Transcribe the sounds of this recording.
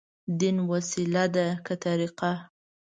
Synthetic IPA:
d̪inwasilad̪akat̪aɾiqa

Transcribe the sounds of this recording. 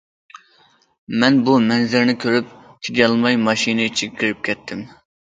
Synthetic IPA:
mɛnbumɛnzɪɾnɪkʲʰøɾyp̚t̪ʲʰeɡʲɑlˠmɑjmɑʃinɪt͡ʃʰikʲʰiɾɪp̚kʲʰɛt̪ʰːɪm

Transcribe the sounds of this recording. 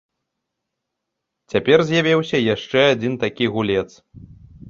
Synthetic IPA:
t͡sʲapʲɛrzʲjavʲɛwsʲɐjaʂt͡ʂɛad͡zʲint̪akʲiɣulʲɛt̪s

